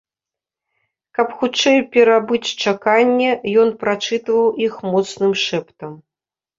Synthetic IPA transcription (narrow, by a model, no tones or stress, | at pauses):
kɐpxut͡ʂɛjpʲɛɾabɨt͡sʲt͡ʂakanʲːɛjɔnpɾat͡ʂɨt̪vɐwʔixmɔt̪snɨmʂɛpt̪ɐm